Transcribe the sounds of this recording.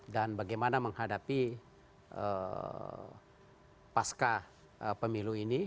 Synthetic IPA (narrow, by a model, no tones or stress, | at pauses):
danbaɡajmanaməŋhadapi | ʔə̰ | paska | əpəmiluini